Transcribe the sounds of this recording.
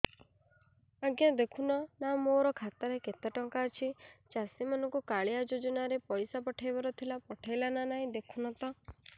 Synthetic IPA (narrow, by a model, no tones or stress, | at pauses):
aɡjad̪ekʰunɔnamoɾɔkʰat̪aɾeket̪aʈɔŋkaːt͡ʃʰit͡ʃasimanɔŋkukaɭiad͡ʒod͡ʒɔnaɾepɔjsapɔʈʰajbɔɾɔt̪ʰilapɔʈʰajlananaɦĩd̪ekʰunɔt̪ɔ